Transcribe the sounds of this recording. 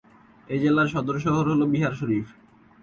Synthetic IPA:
ed͡ʑelaɾʃɔd̪oɾʃ̬ɔɦoɾɦolobiɦaɾʃoɾif

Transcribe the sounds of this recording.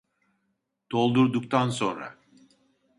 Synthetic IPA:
d̪̥o̞lˠd̪uɾd̪uk̚t̪ʰanso̞nɾa̰

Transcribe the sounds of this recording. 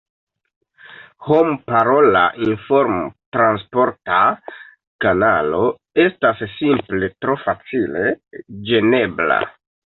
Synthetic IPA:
hompaɾo̞la̰ʔinfo̞ɾmtɾanspo̞ɾta | kana̰lo̞ | e̞stasːimple̞tɾo̞fat͡sile̞d͡ʒe̞ne̞bla̰

